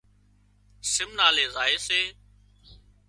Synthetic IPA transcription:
sɪmnaːleːzaːeːseː

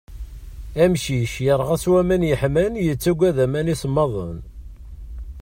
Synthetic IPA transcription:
æmʃiʃjəɾˤʁæswæmænjəħmænjət͡sːæɡʷːæðæmænisəmːɑðˤə̰n

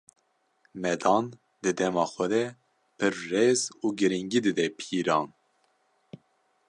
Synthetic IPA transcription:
mɛd̪ɑːn | d̪ɨd̪ɛmɑːxʷɛd̪ɛ | pʰɨɾːeːzuːɡɨɾiŋɡid̪ɨd̪ɛpʰiːɾɑːn

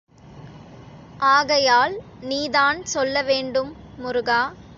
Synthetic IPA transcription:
ʔaːɣɐjaːl | niːðaːnsɔlːɐʋeːɳɖɯmː | ʊɾʊɣaː

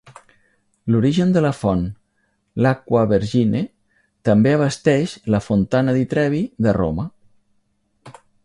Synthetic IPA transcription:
luɾiʒənd̪ələfɔn | lakwəβəɾʒine | t̪əmbeəβ̞əst̪ɛʃləfunt̪anəðit̪ɾɛβiðəro̰mə

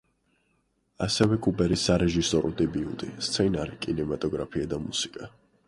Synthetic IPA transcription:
asɛvɛkʼubɛɾisaɾɛʒisɔɾud̪ɛbiṵt̪ʼist̪sʰɛnaɾikʼinɛmat̪ʼɔɡɾapʰiad̪amusikʼa

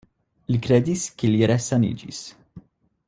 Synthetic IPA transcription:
lkɾɛd̪iskiljɛɾɛsːɐnḭːd͡ʒḭs

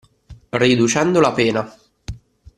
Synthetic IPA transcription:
rid̪ut͡ʃɛnd̪olapeːna

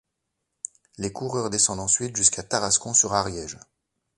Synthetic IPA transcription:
lekuʁœʁd̪esɑ̃d̪ɑ̃sɥit̪ʒyskʰat̪aʁaskɔ̃syʁaʁjɛʒ

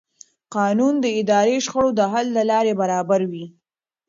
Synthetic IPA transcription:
qɑnund̪əɪd̪ɑɾeʃxaɽod̪əɦalːəlɑɾebaɾɑbaɾwi

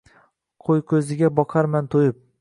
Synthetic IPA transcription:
qʰojkʰʲɵzɪɡʲabɒqʰɑɾmant̪ʰojɪp̚

